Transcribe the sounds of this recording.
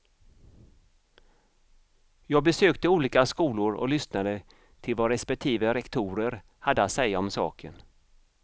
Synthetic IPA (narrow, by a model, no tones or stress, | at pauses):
jɑːɡ̚bɛsøːkt̪əuːliːkaskuːlʊɾɔ̰lʏsnaɾə | t̪ʰɪlvaɾɛspɛk̚t̪ʰiːvəɾɛkt̪ʰuːɾəɾ | had̪ːəat̪sɛjːaɔmsɑ̰ːkʰə̰n